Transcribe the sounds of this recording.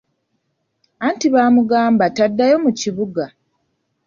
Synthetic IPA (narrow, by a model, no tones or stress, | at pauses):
aːntiβaːmuɡaːmbatadːajo̞muciβuɡa